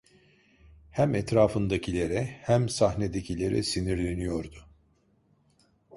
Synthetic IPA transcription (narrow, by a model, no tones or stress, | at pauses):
hæmɛt̪ɾaːfɯnd̪acʰilʲe̞ɾɛhæmsahned̪ecʰilʲe̞ɾɛ̰siniɾlʲe̞nijo̞ɾd̪ʊ